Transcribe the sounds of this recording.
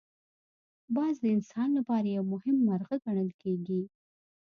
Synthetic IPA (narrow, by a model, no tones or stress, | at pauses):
bɑzd̪əɪnsɑnlapɑɾajawmʊhɪmːaɾɣəɡaɳəlkeɡi